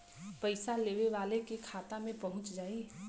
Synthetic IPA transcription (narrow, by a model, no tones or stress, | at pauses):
pəɪsaleːʋeʋaːlekekʰaːt̪amẽpɐɦʊ̃t͡ʃd͡ʒaːi